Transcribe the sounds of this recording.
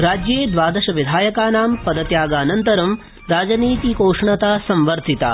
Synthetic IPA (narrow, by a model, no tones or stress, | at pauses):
ɾaːd͡ʒjeːd̪ʋaːd̪ɐʃɐʋid̪ʱaːjɐkaːnaːmpɐd̪ɐt̪jaːɡaːnɐnt̪ɐɾɐm | ɾaːd͡ʒɐniːt̪ikoːʂɳɐt̪aːsɐ̃mʋɐɾt̪ʰit̪a̰ː